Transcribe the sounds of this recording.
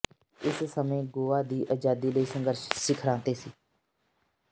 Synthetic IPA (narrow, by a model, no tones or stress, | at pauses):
ɪssəmẽːɡoːaːd̪iːʔəd͡ʒaːd̪iːləiːsə̃ŋɡəɾʃsɪkʰɾãːt̪eːsiː